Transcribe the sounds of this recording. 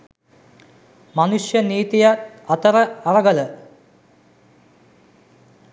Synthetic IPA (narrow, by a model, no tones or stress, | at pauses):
mɐnuʂjɐniːt̪ijɐɐt̪ɐrɐɐrɐɡɐlɐ